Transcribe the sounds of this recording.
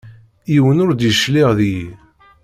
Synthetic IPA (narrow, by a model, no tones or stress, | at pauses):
iwənʊɾd̪jʃliʁðiji